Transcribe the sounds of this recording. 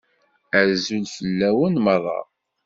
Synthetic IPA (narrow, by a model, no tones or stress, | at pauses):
əɾzulfəlːæwənmərˤːɑ̰